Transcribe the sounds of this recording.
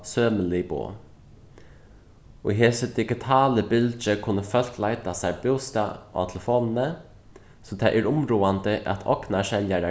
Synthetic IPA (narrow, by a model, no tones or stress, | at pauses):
søːməlɪbo̰ | ɔ̰ɦeːsəd̪ɪɡɪt̪ʰaːləbɪlt͡ʃəkʰʊnːəfœl̥klaɪt̪asabɪwst̪aʔa̰t̪ʰɛləfoːnnə | sɔt̪ʰaːʔɛɾʊmɾuːand̪əʔa̰t̪ʰɔ̰knaʃɛljaɾa